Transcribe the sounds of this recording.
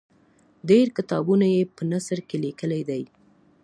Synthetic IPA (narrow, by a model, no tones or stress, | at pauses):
ɖeɾkɪt̪ɑbunajepənasəɾkelikəlajd̪aj